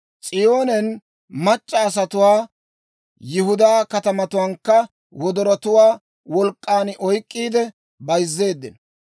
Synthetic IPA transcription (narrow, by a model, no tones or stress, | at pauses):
t͡sʼɪjo̞ːnɛn | mɐt͡ʃʼːɐːs̬ɐt̪ʊwaː | jɪhʊd̪aːkɐt̪ɐmɐt̪ʊwɐŋkːɐ | wɔd̪ɔɾɐt̪ʊwaː | wɔlkʼːaːnʔɔjkʼːiːd̪ɛ | bɐjzːe̞ːd̪ːɪn